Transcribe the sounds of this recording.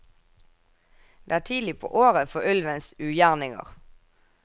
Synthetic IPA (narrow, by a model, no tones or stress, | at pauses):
d̪̥ḛːæːʈʰiːd̪lɪpʰo̰ːʔoːʁəfɔʉlʋənsʉːjæːʁnɪŋə̰ʁ